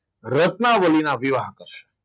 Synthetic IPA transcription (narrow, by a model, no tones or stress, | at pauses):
ɾət̪naʋəlinaʋiʋaɦkəɾʃe̥